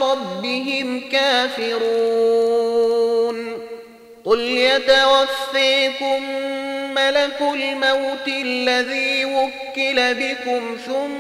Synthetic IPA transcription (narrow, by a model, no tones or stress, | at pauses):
ɾˤɑbbːɪɦɪmkaːfɪɾuː | n | qʊljat̪awafːiːkʊmː | alakʊlmawt̪lːaðiːwʊkːɪlabɪkʊmθʊmː